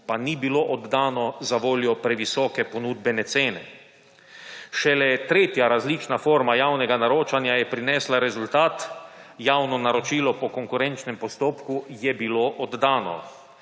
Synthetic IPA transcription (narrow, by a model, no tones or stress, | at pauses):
panibiloʔɔd̪d̪aːnɔzaʋoːljɔpɾɛʋisɔːkɛpɔnuːd̪bɛnɛseːnɛ | ʃɛlɛt̪ɾeːt̪jaɾazliːt͡ʃnafoːɾmajawnɛɡanaɾoːt͡ʃanjajɛpɾinɛːslaɾɛzult̪aːt̪jaːwnɔnaɾɔt͡ʃiːlɔpɔkɔŋkuɾɛnt͡ʃnɛmpɔst̪oːpkujɛbiloːʔɔd̪ːaːnɔ̰